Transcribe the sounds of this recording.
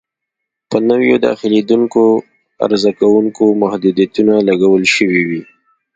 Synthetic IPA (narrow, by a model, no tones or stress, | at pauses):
pənəwjod̪ɑ̰xɪled̪uŋko | a̰ɾzakawuŋkomahd̪ud̪ijat̪unalaɡawəlʃəwiwi